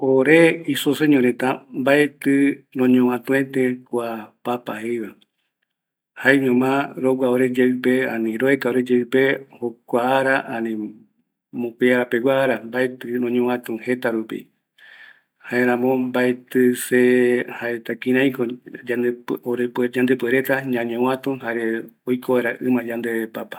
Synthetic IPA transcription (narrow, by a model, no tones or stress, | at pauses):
oɾeisoseɲõɾẽt̪ambaet̪ɨnõɲõwãt̪ũẽt̪ẽkʷapapahejβa | haeɲõmãɾowaoɾed͡ʒeɨpeã̰nĩɾoekaoɾed͡ʒeɨpehokʷaːɾaʔãnĩ | mõpeaɾape̞wʷaːɾambaet̪ɨnõɲõwãt̪ũhe̞t̪aɾupḭ | haeɾãmõmbaet̪ɨsehaet̪akĩɾ̃ãj̃koaoɾepd͡ʒand̪epueɾet̪aɲãɲõwãt̪ũhaɾeojkʰoβaɾaʔɨmãd͡ʒand̪eβepapḁ